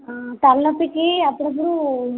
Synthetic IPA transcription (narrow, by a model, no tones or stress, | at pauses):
t̪ɐlːɐpːikiɐpːuɽɐp̬ːuɽu